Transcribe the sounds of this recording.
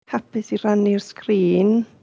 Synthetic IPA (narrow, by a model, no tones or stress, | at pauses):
hapɪsiranirskriːn